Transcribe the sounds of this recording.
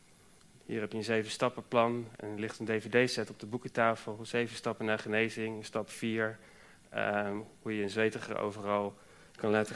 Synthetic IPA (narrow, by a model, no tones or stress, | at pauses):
hḭːrɦɛpjəənzejvənstɑpəplɑnɛ̰nəlɪχtəndejvedejsɛtɔb̚dəbukətaːfəlˠz̥ejvənstɑpənaːɹχənejzɪŋənstɑpfiːɹ | hujəənzʋejtəχə̰ɹo̰wvərɑlˠ | kɑnlaːtə